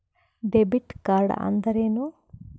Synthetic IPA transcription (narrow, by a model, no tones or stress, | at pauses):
ɖebiʈkaːɾɖɐ̰nd̪ɐɾeːnu